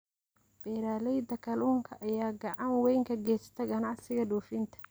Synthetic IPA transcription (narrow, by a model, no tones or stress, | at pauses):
b̥ɛːɾaːlɛjd̪ɐkʰɐluːŋkʰɐʔɐjaːɡɑʕɑnwɛjŋkʰɐɡɛːst̪ʰɐɡɐnɑʕsɪɣɐɖuːfɪnt̪ʰɐ̥